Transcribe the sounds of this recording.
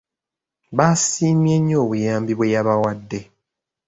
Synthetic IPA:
βasiːmjeɲːo̞ːβujaːmbiβwe̞jaβawadːe̞

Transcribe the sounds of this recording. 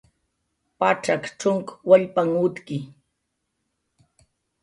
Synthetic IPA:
paʈ͡ʂakʈ͡ʂʊŋkwaʎpaŋʊt̪kɪ

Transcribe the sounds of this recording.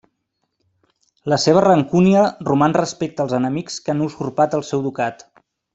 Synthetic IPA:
ləseβ̞ərəŋkuniərumanrəspek̚t̪əːlˠzənəmikskanuskurpat̪əlˠsɛwd̪ukat̪

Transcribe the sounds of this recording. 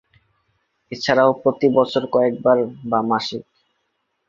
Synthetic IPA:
et͡ɕʰaɾaopɾot̪ibɔt͡ɕʰoɾkɔek̚baɾbamaʃik

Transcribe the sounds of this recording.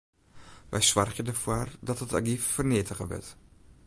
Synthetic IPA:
ʋʔɛ̰jsʋɑrχjədəfoːrdɑtəta̰ɡiffərnɪtəχəʋə̰ɹt

